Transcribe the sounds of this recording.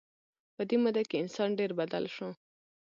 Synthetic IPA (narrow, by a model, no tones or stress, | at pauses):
pəd̪emud̪akeɪnsɑnɖeɾbad̪a̰lʃõ